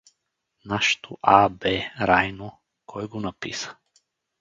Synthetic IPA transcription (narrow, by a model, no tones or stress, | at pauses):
naʃt̪ʰoʔabɛɾajno | kʰɔjɡonapḭsə̥